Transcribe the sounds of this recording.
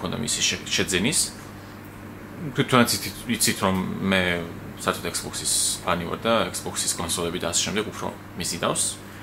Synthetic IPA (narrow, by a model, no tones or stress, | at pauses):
kʰɔnd̪a̰mḭsiʃʃɛd̪zɛnis | t̪ʰwit̪ʰanat̪sit̪sʰit̪ʰɾɔmːɛ | saɾt̪ʰɔt̪ʰɛksbɔksispʰaniva̰ɾd̪aɛksbɔksiskʰʼɔnsɔlɛbid̪aːsɛ̥ʃɛmd̪ɛɡupʰɾɔ̰ | mizina̰fs